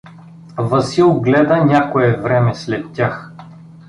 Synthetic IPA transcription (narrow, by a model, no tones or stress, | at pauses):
vəsilˠɡlɛd̪ənʲakoɛvɾɛmɛslɛt̪ːʲax